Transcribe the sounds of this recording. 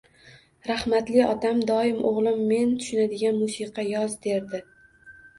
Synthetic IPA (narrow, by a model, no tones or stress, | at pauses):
ɾahmat̪lɪɒt̪amd̪ɒɪmʔoʁlˠɪmːe̞nt̪ʰʊ̥ʃɪnad̪ɪɡʲanmʊsiqʰɑjɒzd̪e̞ɾd̪ɪ